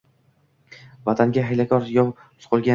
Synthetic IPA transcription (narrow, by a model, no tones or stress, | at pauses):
vat̪ʰaŋɡʲaɦajlakʰʲɒɾjɒw | sqʰolˠɡʲa